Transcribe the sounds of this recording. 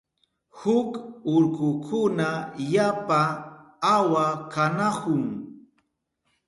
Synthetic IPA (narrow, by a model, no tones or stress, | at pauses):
hʊkʊɾkʊkʰʊnajapaː | wakanahʊŋ